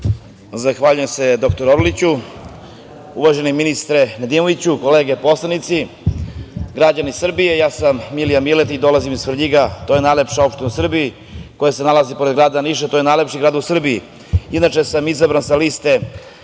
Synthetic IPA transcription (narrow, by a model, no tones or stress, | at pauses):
zaxʋaːʎujemse̞d̪o̞kt̪oɾoɾlit͡ɕu | uʋaʒeniminist̪ɾened̪imo̞ʋit͡ɕukoleːɡe̞po̞slˠanit̪si | ɡɾad͡ʑanisr̩bije̞jaːsamːilijamilet̪id̪o̞lazimizsfɾ̩ʎiɡat̪ojenajlepʃao̞pʃt̪inusr̩bii | ko̞jase̞nalazipo̞ɾed̪ɡɾaːd̪aniʃat̪ojenaːjle̞pʃiɡɾaːd̪usr̩bii | id̪nat͡ʃe̞samizabɾansalist̪e̞